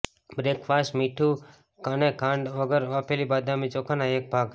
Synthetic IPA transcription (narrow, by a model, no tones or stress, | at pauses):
bɾekʰfasmiʈʰu | kanekʰãɳɖʋəɡəɾʋapʰelibad̪ʱamit͡ʃokʰanaek̚bʱaːɡ